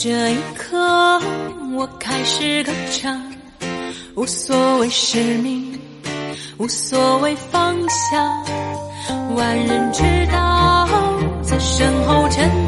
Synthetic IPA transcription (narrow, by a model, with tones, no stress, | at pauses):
ʈ͡ʂɤ˧˩i˧˥kʰɤ˥˧ | wɔ˧˥kʰa˥ɪʂɻ̩˥˧kə˧˥ʈ͡ʂʰɑ˨˩ŋ | wɔ˧˥swɔ˧˥we˥˩ɪʂə˧˥˩mi˧ŋ | wɔ˨˧˩swɔ˧˩we˥ɪfɑ˥ŋɕjɑ˧˩ŋ | wa˧˥nɻə˧˥nʈ͡ʂɻ̩˥t̪ɑ˥˧˦ | t͡sɨ˧˩ʂə˧˥ŋxo˥˧ʊʈ͡ʂʰə˧˥n